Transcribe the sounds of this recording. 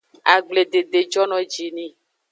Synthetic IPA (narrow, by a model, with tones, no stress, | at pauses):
a˨ɡ͡ble˨ɖe˨de˨d͡ʒɔ˦nɔ̃˦d͡ʒi˨nĩ˦˨